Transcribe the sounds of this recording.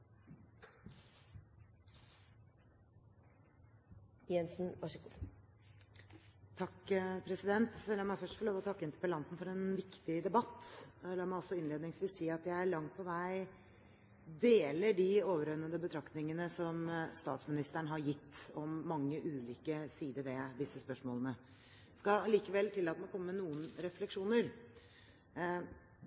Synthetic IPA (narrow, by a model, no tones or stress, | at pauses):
jɛnsn̩ʋɑʂəɡu | t̪ʰɑkːpʰɾɛsɪd̪ɛnt̪sɛlːɔmæɪfœʂʈfɔɾɭoːʋɔt̪ʰɑkːəɪnt̪ə̥pəlɑnt̪n̩fɔɾɛnʋɪkt̪ɪd̪ɛbɑt̪ːlɑːmæɪɔsːɔɪnleːd̪nɪŋsʋiːsiːɑt̪jæɪæɭɑŋt̪̚pʰɔʋæɪ | d̪eːləɖɪoːʋəɾœnːəd̪əbət̪ʰɾɑkt̪nɪŋənəsɔmst̪ɑ̰ːt̪smɪnɪst̪əɳəɦɑɾjɪt̪ːɔmːɑŋːəʔʉːliːkəsiːd̪əɾʋɛd̪ɪsːəspœʂmoːlənə | skɑliːkəʋɛlːt̪ʰɪlːɑːt̪əmɛkʰɔmːəmɛnuːənɾɛflɛkʂuːnəɾ